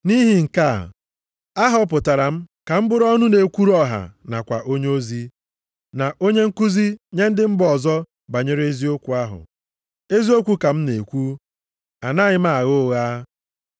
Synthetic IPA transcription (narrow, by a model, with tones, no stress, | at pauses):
ni˦ɦi˨ŋ̩˨ka̰˦˨ | a˦ɦɔ˦p̬ʊ˨ta˨ɾa˨m̩˦ka˨m̩˦bʊ˦ɾɔ˦nʊ˦ne˨kʷu˦ɾu˦ɔ˦ɦa̰˨na̰˨kʷa˨ʔo˦ɲe˦o˦zi˦ | na˨ʔo˦ɲe˦ŋ̩˦ku˦zi˦ɲe˦n̩˦dɪ˦m̩˦bɔ˨zɔ˦ | ba˨ɲe˦ɾe˦zi˦o˦kʷu˨a˦ɦʊ̰˨ | e˦zi˦o˦kʷu˦ka˨m̩˦ne˨kʷu˦ | a˨na˦˨ɲɪ˦m̩a˦˨a˨ɣo˦ɣaː˦